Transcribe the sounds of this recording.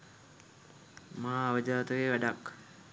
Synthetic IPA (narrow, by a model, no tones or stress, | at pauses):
maaːʋəd͡ʒaːt̪əʋeʋæɖak